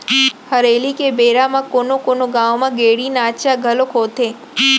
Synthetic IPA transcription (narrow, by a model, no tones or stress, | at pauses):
həɾelikebeɾamãkonokonoɡãwmãɡeɽinaʃaɡʱəlokʰot̪ʰe